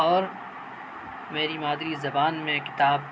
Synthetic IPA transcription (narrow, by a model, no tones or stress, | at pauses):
ɔːɾ | meːɾimaːd̪ɾizɐbaːnmẽkɪ̥t̪aːb̚